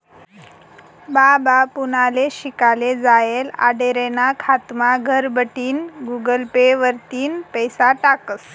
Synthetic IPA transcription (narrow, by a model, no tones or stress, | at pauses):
babapunaleɕikaled͡zajela̰ɖeɾenakʰat̪maɡʱəɾbəʈiːnɡuɡəlpeʋəɾt̪iːnpəjsaʈakəs